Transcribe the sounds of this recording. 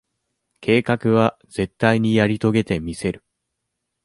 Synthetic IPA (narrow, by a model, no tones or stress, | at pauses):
kʰe̞ːkakɯ̟β̞a | ze̞t̪ːaiɲ̟ijaɾʲit̪o̞ɡe̞t̪e̞mʲise̞ɾɯ̟